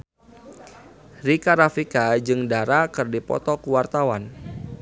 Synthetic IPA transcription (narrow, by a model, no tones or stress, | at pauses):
rikaɾafikad͡ʒɨŋdaɾakɨrdipɔ̰t̪ɔkuwart̪awan